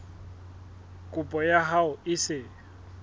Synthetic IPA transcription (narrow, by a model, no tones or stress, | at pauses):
kʼʊpʼɔjaɦaʊɪsɪ